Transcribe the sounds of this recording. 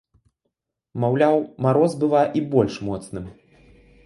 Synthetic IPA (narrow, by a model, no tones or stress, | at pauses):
mawlʲawmaɾɔzbɨvaʔibɔlʲʂmɔt̪snɨm